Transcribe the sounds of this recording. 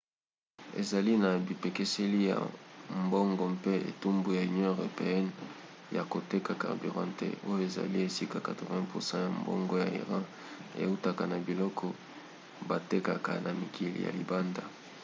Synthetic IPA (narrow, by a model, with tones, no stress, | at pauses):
ḛ˨za˨li˦na˨bi˨pe˨ke˦se˦li˦ja̰˨mbo˦ŋɡɔ˨pe˦ḛ˨tu˦mbu˨ja˨y˨njɔ̃˦e˨ʁo˨pe˨ɛ˦n | ja˨ko˨te˦ka˨ka̰˨bi˨ʁã˦ntḛ˦o˦jo˦e˨za̰˨li˦e˨si˦ka˨ka˨to˨vɛ̃˦pu˨sɑ̃˦ja˨mbo̰˦ŋɡɔ˦ja˨ḭ˨ʁɑ̃˦ | ḛ˨u˦ta˨ka˨na˨bi˨lɔ˦kʰɔ˨ | ba˨te˦ka˨ka̰˨na˨mi˨kʰi˨lḭ˨ja̰˨lḭ˨ba˦nda˨